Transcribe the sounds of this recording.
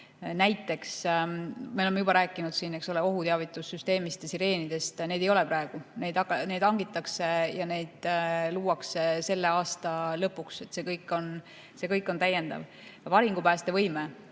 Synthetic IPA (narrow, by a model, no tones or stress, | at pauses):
næjt̪ːˑe̞ks | meolemeubɑɾæːkːˑinud̪siːne̞kso̞le̞o̞ɦut̪eɑvit̪ːˑusːyst̪e̞ːmist̪jɑsiɾe̞ːnid̪̥e̞st̪ne̞d̪e̞jo̞le̞pɾɑe̞ɡ̥une̞jd̪ɑkːɑne̞jd̪̥ɑŋɡit̪ːˑɑkse̞jɑne̞jd̪̥luːwɑksese̞lːe̞ɑːst̪ɑlɤpːˑukse̞t̪se̞ːkɤjkːˑo̞n | se̞kɤjkːˑo̞nt̪æjːe̞nd̪̥ɑ̰v | vɑɾiŋɡ̥upæːst̪e̞vɤjme